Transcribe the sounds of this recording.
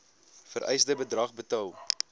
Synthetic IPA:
fəɾʔɛ̰jsdəbədrɐχbətɐw

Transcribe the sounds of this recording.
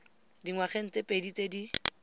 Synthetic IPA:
diŋwaχen̩t͡sepʼedit͡sedi

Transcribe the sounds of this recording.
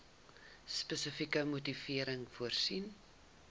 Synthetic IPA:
spəsəfikəmutifiəɾəŋfuərsin

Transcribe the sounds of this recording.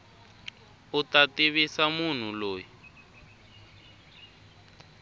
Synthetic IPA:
utatiβisamun̤uloːji

